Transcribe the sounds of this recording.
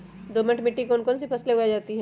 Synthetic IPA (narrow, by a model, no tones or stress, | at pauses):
d̪oːməʈmɪʈːikoʊnkɔːns̬ipʰɐsleʊɡaːd͡ʒaːt̪iɦɛ̃ː